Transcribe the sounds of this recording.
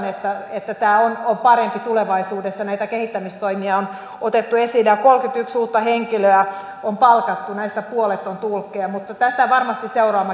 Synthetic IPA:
net̪ːæet̪ːæt̪æːonompɑrempit̪uleʋɑisuːdesːɑnæit̪ækehit̪ːæmist̪oimiɑon | ot̪et̪ːuesilːejɑkolkyt̪yksuːt̪ːɑheŋkiløæ | ompɑlkɑt̪ːunæist̪æpuolet̪ːont̪ulkːˑeɑmut̪ːɑt̪æst̪æʋɑrmɑst̪isseuroɑmɑ

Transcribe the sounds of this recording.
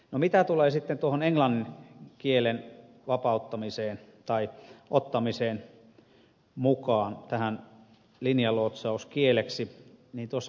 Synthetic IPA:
nomit̪æt̪uleːsit̪ːent̪uohoneŋlɑnːinkielen | ʋɑpɑˑut̪ːɑmiseːnt̪ɑiʔot̪ːɑmiseːn | mukɑːnt̪æhæn | linjɑloːt̪sɑuskieleksiniːnt̪uosː

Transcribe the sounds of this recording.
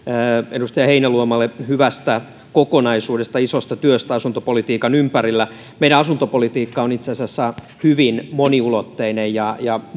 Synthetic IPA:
edust̪ɑjɑheinæluomɑlːˑehyʋæst̪æ | kokonɑisuːdest̪ɑisost̪ɑt̪yøst̪æɑsunt̪opolit̪iːkɑnympærilːæ | meiɾæɑsunt̪opolit̪iːkːɑonit̪seɑsiæɑsːæ | hyʋinmoniulot̪ːeinejjɑjɑ

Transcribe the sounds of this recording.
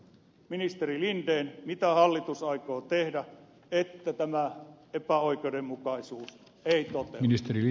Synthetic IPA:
minist̪erilindeːnmit̪æhɑlːit̪usɑikoːt̪ehdæ | et̪ːæt̪æmæ | epæoikeudemmukɑisuːs | eit̪ot̪eminist̪eri

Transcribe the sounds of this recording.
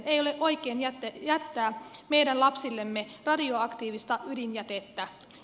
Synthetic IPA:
nejo̞leʔo̞jkeːnjæt̪ːjæt̪ːæːme̞jdænlɑpsilːemːerɑdioɑkt̪iːʋist̪ɑydinjæt̪et̪ːæ

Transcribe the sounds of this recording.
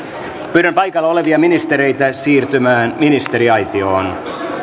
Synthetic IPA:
pyɾømpɑjkɑlːɑo̞leʋiɑminist̪eɾe̞jt̪æsiːrt̪ymæːnminist̪eɾiɑjt̪ioːn

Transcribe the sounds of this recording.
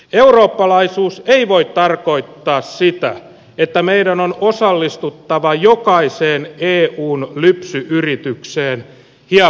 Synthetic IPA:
euroːpːɑlɑisuːseiʋoit̪t̪ɑrko̞it̪ːɑːssit̪æ̰ | et̪ːæmeidænonosɑlːist̪ut̪ːɑʋɑjokɑiseːneːʔuːnlypsyʔyrit̪ykseːn | hiɑ

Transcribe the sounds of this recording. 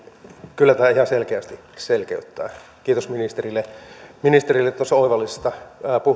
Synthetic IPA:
kylːæt̪æːihɑselkeæst̪i | selkḛyt̪ːæ̰ː | kiːt̪osminist̪erilːeminist̪erilːet̪ːuost̪oiʋɑlːise̥st̪ɑpuh

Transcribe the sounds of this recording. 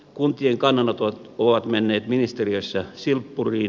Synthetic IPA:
kunt̪ieŋkɑnːɑnːɑt̪ooʋɑt̪menːeːt̪minist̪eriøsːɑsilpːurˑiː

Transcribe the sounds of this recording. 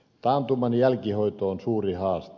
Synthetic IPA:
t̪ɑːnt̪umɑnjælkihoit̪oonsuːrihɑːst̪

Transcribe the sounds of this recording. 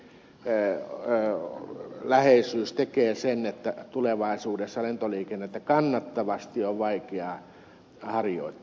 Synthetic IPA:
læheisˑyːst̪ekeːsenet̪ːæt̪uleʋɑisuːdesːɑlent̪oliːkenːet̪ːækɑnːɑt̪ːɑʋɑst̪ioʋʋɑikeɑ | hɑrjo̰ˑit̪ːˑ

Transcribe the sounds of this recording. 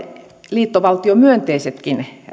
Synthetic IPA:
liːt̪ːoʋɑlt̪iomyønt̪eiset̪kin

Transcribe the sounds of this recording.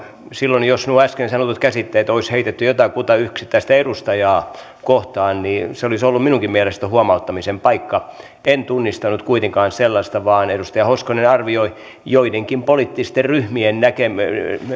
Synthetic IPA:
silːonjosnuæskensɑnot̪ut̪kæsit̪ːeːt̪oisheit̪et̪ːyjot̪ɑkut̪ɑyhksi̥t̪ːæist̪æedust̪ɑjɑː | koht̪ɑːnniːseolisolːumminuŋkimmiælest̪æhuɑmɑut̪ːɑmisempɑikːɑ | ent̪unːist̪ɑnut̪kuit̪eŋkɑːnselːɑst̪ɑʋɑːnedust̪ɑjɑhoskonenɑrʋioi | joideŋkimpolit̪ːist̪erryhmiennækem

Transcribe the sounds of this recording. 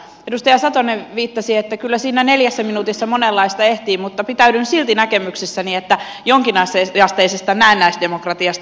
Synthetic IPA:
edust̪ɑjɑsɑt̪oneʋiːt̪ːɑsiet̪ːækylːæsiːnæneljæsːæminut̪isːɑmonelːɑist̪ɑeht̪iːmut̪ːɑpit̪æydynsilt̪inækemyksisːæniet̪ːæ | joŋkinɑseɑst̪eisest̪ɑnæːnːæist̪d̪emokrɑt̪iɑst̪

